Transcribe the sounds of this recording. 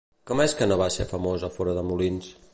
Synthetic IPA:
kɔmɛskənoβasḛfəmozəfɔɾəðəmulins

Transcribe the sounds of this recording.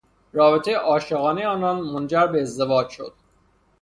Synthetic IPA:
rɒːbet̪ʰejeʔɒːʃeɣɒːnejeɒːnɒnmond͡ʒæɾbeːzd̪e̞vɒːd͡ʒʃo̞̰d̪̥̚

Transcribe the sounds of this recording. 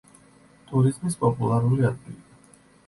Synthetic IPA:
t̪ʼuɾizmispʼɔpʼulˠaɾuliat̪t̪ʼii

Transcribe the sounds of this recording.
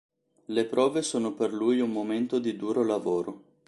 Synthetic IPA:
lepɾʔɔːvesoːnoperlujummoment̪od̪id̪uːɾolavoːɾo

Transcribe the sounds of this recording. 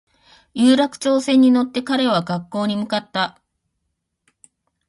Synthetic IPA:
jɯːɾakɯ̥t͡ɕo̞ːsẽ̞ɲ̟ːino̞t̪ːe̞kaɾe̞β̞aɡakːo̞ːɲ̟imɯ̟kat̪ːa

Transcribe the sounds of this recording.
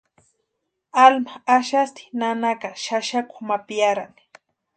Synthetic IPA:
almaaʃast̪ɪ̥nanakaʃaʃakʊ̥mapijaɾan

